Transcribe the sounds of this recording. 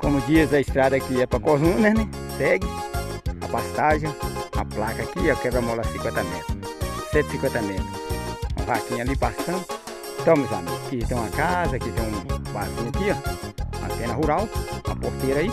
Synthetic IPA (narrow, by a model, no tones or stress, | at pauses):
kõmʊd͡ʒizɐist̪ɾad̪akiɛpɐkozũnenẽ | sɛɡɪa̰past̪aʒɐ̃a̰plakɐkiakɛbamolasĩkwẽnt̪ɐmɛt̪ɾʊsɛt̪sĩkwẽnt̪ɐmɛt̪ɾʊṵ̃vakĩalipasɐ̃n | t̪ɐ̃mʊza̰mkit̪ẽw̃akazɐkit̪ẽw̃bazũakiaa̰sẽnɐɦuɾawa̰post̪eɾai